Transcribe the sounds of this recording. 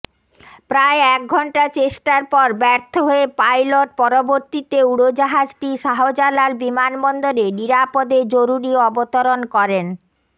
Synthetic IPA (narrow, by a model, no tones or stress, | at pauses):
pɾaeɛk̚ɡʱɔɳʈat͡ɕeʃʈaɾpɔɾbɛɾt̪ʰoɦoepajloʈ̚pɔɾoboɾt̪it̪euɽod͡ʑaɦad͡ʑʈiʃaɦod͡ʑalaɾbimanbɔnd̪oɾeniɾapod̪ed͡ʑoɾuɾiɔbot̪oɾonkɔɾen